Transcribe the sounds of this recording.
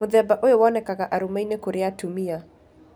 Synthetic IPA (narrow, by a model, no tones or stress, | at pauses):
ʊðɛbaʔojowɔnɛkakaʔaɾumainekoɾeatumia